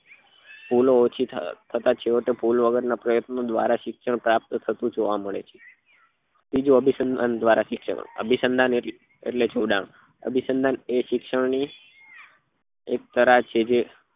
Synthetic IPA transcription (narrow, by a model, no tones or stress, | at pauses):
puloːt͡ʃʰit̪ʰət̪at͡ʃʰeoʈepulʋəɡəɾnapɾəjət̪nod̪ʋa̰ɾaʃɪkʃəɳpɾap̚t̪t̪ʰət̪ũd͡ʒoʋaməɭḛt͡ʃʰe̥ | bid͡ʒũəbʱisənd̪and̪ʋaɾaʃɪkʃə̰ə̰bʱisənd̪ʱane | ḛʈlet͡ʃʰoɖã̰m | ə̰bʱisənd̪ʱaneʃɪkʃəɳni | ek̚t̪əɾat͡ʃʰed͡ʒe